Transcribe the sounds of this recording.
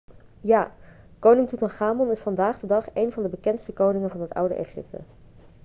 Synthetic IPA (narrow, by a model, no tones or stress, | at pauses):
jaː | kownɪŋtutɔnχaːmɔnɪsfɑndaːχdədɑχejnvɑndəbəkɛntstəkownɪŋənvɑnɦətʌ̰wdə̰ʔḛχɪ̰p̚tʰə̰